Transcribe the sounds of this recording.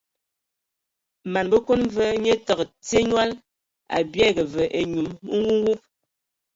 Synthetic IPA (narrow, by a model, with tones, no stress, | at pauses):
ma˨nbə˦ko˦n˦və˦ɲə˦tɔ˨kt͡se˦ɲwa˦l | a̰˨bjɛ˦ɡə˨və˨ʔe˨ɲu˨mmə˦ŋɡu˦ŋ˦wu˦p̚